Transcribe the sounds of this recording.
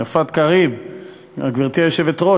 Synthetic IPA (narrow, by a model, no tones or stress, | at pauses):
afat̪kaʁib | aɡviʁt̪iajoʃevet̪ʁo